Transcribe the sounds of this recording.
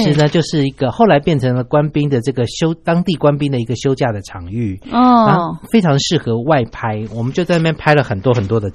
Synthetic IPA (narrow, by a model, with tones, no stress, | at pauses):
ʂɻ̩˨˧˥nə˧t͡ɕjo˥˧ʊʂɻ̩˥˩i˧˥ɡ̥ə˧xo˥˩ʊla˧˥ɪpjɛ˥˩nʈ͡ʂʰə˧˥ŋlə˧kwa˦˥npi˥ŋd̪ə˨ʈ͡ʂɤ˥˩ɡə˩ɕjo˥ʊt̪ɑ˥ŋt̪i˥˨˩kwa˥˦npi˥ŋd̪ə˨i˧˥ɡə˨ɕjo˥ʊt͡ɕja˥˩d̪ə˩ʈ͡ʂʰɑ˨˧˥ŋy˥˩ɔ˥˧a˥fe˥ɪʈ͡ʂʰɑ˧˥ŋʂɻ̩˥˩xɤ˧˥wa˥˩ɪpʰa˥ɪwɔ˨˩mə˦nt͡ɕjo˥˧t͡sa˥˧na˥˩jɛ˥npʰa˥ɪlə˨xə˨˩nt̪wɔ˥xə˨˩nt̪wɔ˦˥d̪ə˨